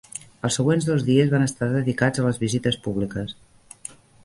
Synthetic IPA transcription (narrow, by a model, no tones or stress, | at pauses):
əlˠsəɣwenzðozðiəzβanəst̪aðəðikad͡zələzβizit̪əspuβlikəs